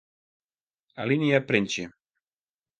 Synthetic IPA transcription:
aliniapɾenʲt͡ʃi

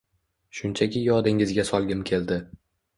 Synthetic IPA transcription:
ʃʊnt͡ʃʰakʲɪjɒd̪ɪŋɪzɡʲasɒlˠɡʲɪmkʲʰe̞ld̪ɪ

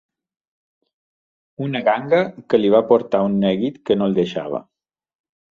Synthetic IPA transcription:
unəɣaŋɡəkəliβ̞apoɾt̪aunːɛɣit̪kənolˠd̪əʃa̰β̞ə̰

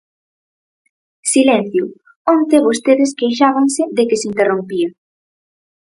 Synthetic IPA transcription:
silen̟θjʊ | ont̪eβost̪eðɪskejʃaβansɪðekɪsint̪erompia

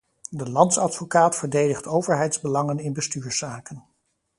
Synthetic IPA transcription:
dəlɑntsɑtfokaːtfəɹdejdəχtʰowvəɹɦɛjtzbəlɑŋənɪnbəstyːɹsaːkən

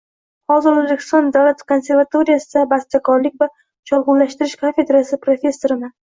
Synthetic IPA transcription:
hɒzɪɾozbekʲʰɪ̥st̪ɒnd̪awlat̪kʰo̞nse̞ɾvat̪o̞ɾijasɪd̪abast̪akʰɒɾlɪkʲva | t͡ʃʰɒlˠʁʊnlaʃt̪ɪɾɪʃkʰofʲe̞d̪ɾasɪpɾofʲe̞sːo̞ɾɪnɪ

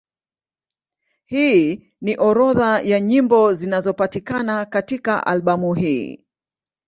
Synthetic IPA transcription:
hiː | niʔɔɾɔðajaɲimbɔzinazɔpatikanakatikaʔa̰lɓamuhiː

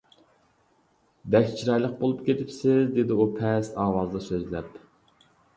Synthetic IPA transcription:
bɛkʲt͡ʃʰiɾɑjlˠəq̚bolˠupkʲet̪ʰɪpsɪzd̪ed̪ɪupʰɛsɑːwɑzd̪ɑsøzlɛp

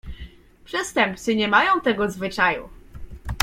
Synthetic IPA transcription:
pʂɛst̪ɛmp̚t̪sɘɲɛmajɔ̃w̃t̪ɛɡɔzvɘt͡ʂajṵ

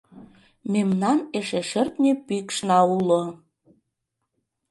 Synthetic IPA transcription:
memnɑneʃeʃərt̪nepykʃnɑulo

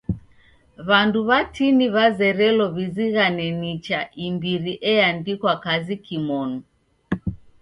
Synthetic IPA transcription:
βanduβatiniβazɛɾɛlɔβiziɣanɛnit͡ʃaimbiɾiʔɛandikwakazikimɔnu

